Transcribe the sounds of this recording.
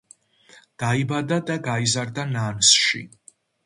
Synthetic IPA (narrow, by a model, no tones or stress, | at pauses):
d̪̥aibad̪ad̪aɡaizaɾd̪anansʃḭ